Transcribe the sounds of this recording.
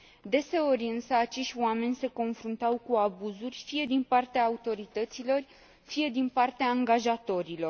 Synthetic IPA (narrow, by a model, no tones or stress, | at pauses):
d̪e̞se̞o̞ɾʲɨnsəat͡ʃe̞ʃt̪ʲwame̞nʲse̞ko̞nfɾunt̪awkuabuzurʲfije̞d̪inpart̪eaːut̪o̞ɾit̪ət̪silo̞rʲ | fije̞d̪inpart̪eaːŋɡaʒat̪o̞ɾilo̞r